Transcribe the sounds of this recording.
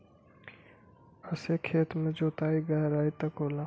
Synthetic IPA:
əsekʰeːt̪mẽd͡ʒoːt̪aːiɡɐɦɾaːit̪ɐkoːlãː

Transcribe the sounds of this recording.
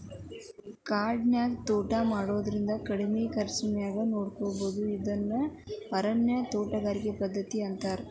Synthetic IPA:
kaːɾɖnjaːkt̪oːʈamaːɽoːd̪ɐɾind̪ɐkɐɽimeːkɐɾɐt͡ʃɐmɛjaːɡɐnoːɽkoːboːd̪uid̪ɐnːɐpɐɾɐnjɐt̪oːʈɐɡaːɾikepɐd̪ʱːɐt̪ːiɐnt̪aːɾ

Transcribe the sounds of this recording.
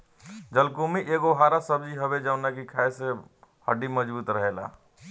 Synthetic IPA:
d͡ʒəlkumeʔeɡoɦaɾasəbd͡ʒiɦəbed͡ʒənakikʰaese | həɖiməd͡ʒbuːt̪ɾəɦela̰

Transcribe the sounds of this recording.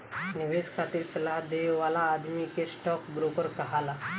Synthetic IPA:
niʋeskʰat̪iːɾsəlaɦd̪eʋalaːd̪mikesʈɔkbɾokəɾkəɦala

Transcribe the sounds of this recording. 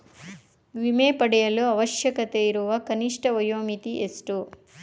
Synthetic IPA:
ʋimeːpɐɽɛjɐluɐʋɐʃjɐkɐt̪eːiɾuʋɐkɐniʂʈɐʋɐjoːmit̪iʔesʈu

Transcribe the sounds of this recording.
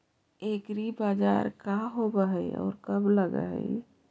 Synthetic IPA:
ekɾibad͡ʒa̰ɾkaɦobəɦəjɔ̰ːɾkəbləɡə̰ɦə̰j

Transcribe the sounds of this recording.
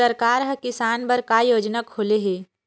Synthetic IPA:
əɾkaːɾɦɐkɪsaːnbəɾkajoːd͡ʒnakʰːoːleɦeː

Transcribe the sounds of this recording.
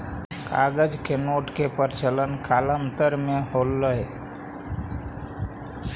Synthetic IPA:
ka̰ɡəd͡ʒkenoʈkepəɾt͡ʃələnkʰalənt̪əɾmeholːəɦe

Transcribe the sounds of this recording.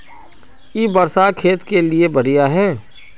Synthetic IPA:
jiːbɐɾsakʰeːt̪keliebɐɽijaɦɛː

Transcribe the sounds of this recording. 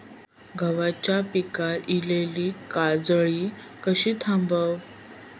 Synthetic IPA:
ɡʱəʋat͡ɕjapikaɾileliːkad͡zɭiː | kəɕiːt̪ʰãmbəw

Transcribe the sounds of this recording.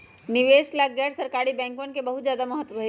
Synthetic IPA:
nɪʋeːʃlaɡɛːʈʰsɐɾkaːɾibɛ̃ːŋkonkebɐɦut̪zjaːd̪amɐɦət̪ːʋɐɦe

